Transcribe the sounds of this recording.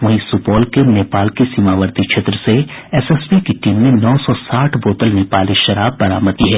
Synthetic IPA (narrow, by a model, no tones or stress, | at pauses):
ʋɐɦĩsupɔːlkeneːpaːlkisiːmaːʋəɾd̪it͡ʃʰet̪ɾəseɛsɛspikiʈiːmnẽnɔːsɔsaːʈʰboːt̪əlneːpaːliʃɐɾaːbːɐɾa̰ːmət̪iɦɛː